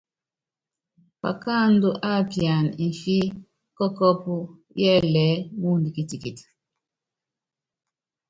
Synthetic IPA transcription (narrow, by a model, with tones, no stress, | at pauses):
pa̰˨ka˦ndu˦ʔa˦˨pja˨ni˨fi˦ | kɔ˦kɔ˦pu˦jɛ˦lɛ˨˦mu˦ndi˨ki˨ti˨ki˨ti̥˨